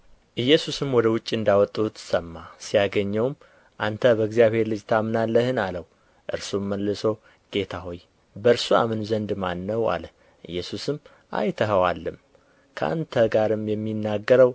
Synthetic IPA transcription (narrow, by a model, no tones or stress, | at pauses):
ʔɨjːɛsusɨmwɔd̪əwʊt͡ʃʼːɨnd̪awɔt̪ʼːut̪ʰːɨ̥səmːasijaɡəɲːɛwm | ʔant̪ʰəbəɡzijaβhe̞ɾlɨd͡ʒt̪ʰamnalːəhɨnaləw | ʔɨ̰ɾsumːəlːɨsow | ɡ̥e̞t̪ʰaɦo̞j | bəɾsua̰mɨnzənd̪manːəwa̰lə | ʔɨjːɛsusɨm | ʔa̰jt̪ʰəɦəwalːɨm | kʰəʔa̰nt̪ʰəɡaɾɨmjɛmːinːaɡəɾəw